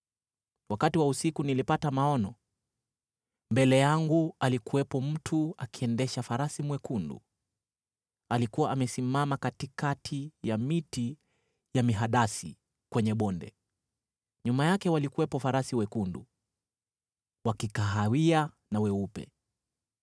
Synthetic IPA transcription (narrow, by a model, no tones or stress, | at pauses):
wakatiwausikunilipatamaɔnɔ | mbɛlɛjaŋɡualikuwɛpɔm̩tʰuakiɛndɛʃafaɾasimwɛkundṵ | alikuwaʔːmɛsimamakatikatʰijamiti | jamiɦaɗasi | kwɛɲɛɓɔndɛ̰ | ɲumajakɛwalikuwɛpɔfaɾasiwɛkundṵ | wakikaɦawia | nawɛupɛ̰